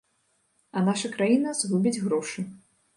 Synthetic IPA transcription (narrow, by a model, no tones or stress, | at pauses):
ɐnaʂɐkɾajinɐzɣubʲid͡zʲɣɾɔʂɨ